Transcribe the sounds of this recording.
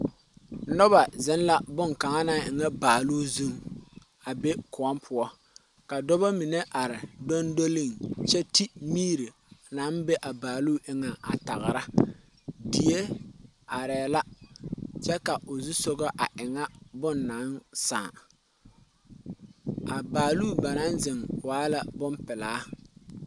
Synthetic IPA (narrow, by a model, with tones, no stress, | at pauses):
nʊ˦ba˨zɪ˨˦nla˦bʊ˦ŋka˨ŋa˦na˦ŋʔɪ˨ŋa˦baː˨luː˦zu˦ŋ | a˨be˦kʊ˨a˦mpʰʊ˦ɔ˦ | ka˨dɔ˦ba˦mi˨ne˦ʔa˨ɾɪ˨do˦ndo˦lɪ˦˨ŋt͡ʃɛ˦ti˦miː˦ɾi˨ | na˨˦nbe˦ʔa˨baː˨lu˦ʔɪ˦ŋa˨a̰˨ta˨ɣɾa˦ | di˨e˦ | a˨ɾɛː˨la˦ | t͡ʃɛ˦ka˨ʔʊ˨zu˦so˦ɡɔ˦ʔa˨ʔɪ˨ŋa˦bʊ˦nːa˨˦nsaː˨ | a˨baː˨luː˦˨ba˨na˦nzɪ˨ŋwaː˦la˨bʊ˦mpɪ˨laː˨˦